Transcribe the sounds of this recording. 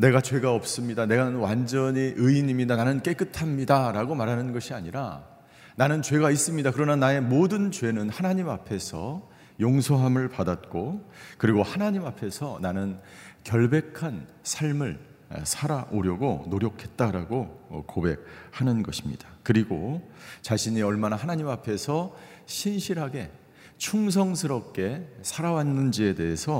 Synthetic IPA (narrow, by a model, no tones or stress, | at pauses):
ne̞ɡat͡ɕwe̞ɡaʌp̚s͈ɯmɲidane̞ɡanɯnwand͡ʑʌɲiʔɯiɲimɲidananɯnk͈e̞k͈ɯtʰamɲidaɾaɡomaɾɦanɯnɡʌɕʰiaɲiɾa̰ | nanɯnt͡ɕwe̞ɡais͈ɯmɲidakɯɾʌnanae̞modɯnt͡ɕwe̞nɯnhanaɲimapʰe̞sʰʌ | joŋsʰoɦamɯɭpadat̚k͈okɯɾiɡohanaɲimapʰe̞sʰʌnanɯnkjʌɭbe̞kʰan | sʰaɭmɯɭ | sʰaɾaʔoɾjʌɡonoɾjʌkʰe̞t̚t͈aɾaɡo̰kobe̞k̚hanɯnɡʌɕʰimɲid̥ḁkɯɾiɡot͡ɕaɕʰiɲiʌɭmanahanaɲimapʰe̞sʰʌ | ɕʰinɕʰiɾɦaɡe̞ | t͡ɕʰuŋs̬ʰʌŋsʰɯɾʌp̚k͈e̞sʰaɾawanːɯnd͡ʑie̞de̞ɦe̞sʰʌ